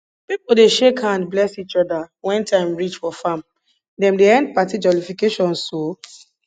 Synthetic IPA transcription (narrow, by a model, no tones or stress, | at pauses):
pipoldeʃekhãndblɛsit͡ʃɔdawɛ̃ntʰãɪ̃mɹit͡ʃfɔfãm | dɛ̃mdeɛ̃nd̚patid͡ʒɔlifikeʃɔ̃no